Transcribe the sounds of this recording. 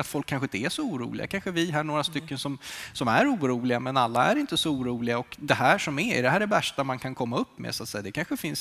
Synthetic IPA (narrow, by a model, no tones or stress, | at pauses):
at̪fɔlkʰːanɧəɪnt̪əæʂɔuːɾṵːlɪ̰ɡa̰kʰanɧəvɪɦaɳoːɾast̪ʏkːənsɔmsɔmæɾuːɾuːlɪɡamɛnalːaæɾɪnt̪əsɔuːɾuːlɪɡaɔkd̪ɛhæːʂɔmɛɪ̰d̪ɛhæːɖɛvæʂʈamankʰankʰɔmːaɵpːmḛsʊat̪sɛjad̪ɛkʰanɧəfɪns